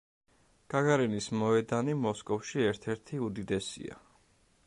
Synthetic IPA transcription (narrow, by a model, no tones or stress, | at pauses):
ɡ̥aɡaɾɛnismɔɛd̪animɔskʼɔfʃiɛɾt̪ʰɛɾt̪ʰiud̪id̪ɛsḭa̰